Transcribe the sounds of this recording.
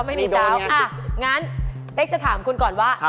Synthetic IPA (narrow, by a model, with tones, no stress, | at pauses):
wma˥˩jmiː˧˩aː˧˩wʔa˩ | ŋa˦˥n | pe˦˥k̚t͡ɕa˧˩t̪ʰaː˩˦mkʰu˧nkɔː˨˩nwaː˥˩